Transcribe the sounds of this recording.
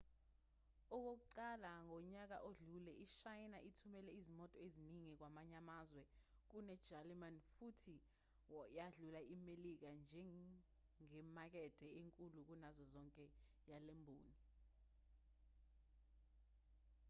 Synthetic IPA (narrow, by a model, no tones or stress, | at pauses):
ɔk̬ok̬uǀalaŋʱɔɲak̬aʔoɮulɛʔiʃajnaʔitʰumɛlɛizimɔtʼɔeziniŋik̬wamaɲamazwɛk̬unɛd̥d͡ʒ̥ʱalimanfutʰi | wjaɮulaimelik̬and͡ʒʱɛ | ŋɛmak̬ɛd̥ʱɛeŋkʼuluk̬unazɔzɔŋkʼɛ | jalembʱuːni